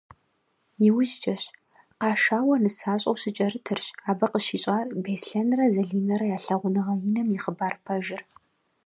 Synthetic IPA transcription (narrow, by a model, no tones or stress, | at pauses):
jɪwʊʒt͡ʃʼɐɕ | qɑːʃaːwɐnɨsaːɕʼɐwɕɪt͡ʃʼɐɾɨtʰɨrɕaːbɐqəʃiːɕʼaːrbeːsɬɐnrɐzɐɮiːnɐɾɐjaːɬɐʁʷʊnɐʁɐjinɐmjɪχəbaːrpʰɐʒɪr